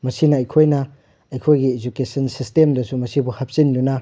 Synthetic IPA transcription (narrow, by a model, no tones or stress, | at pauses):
mɐsinɐɐjkʰojnɐ | ɐjkʰojɡied͡ʒukesɐnsistemdɐsumɐsibuhɐp̚sindunɐ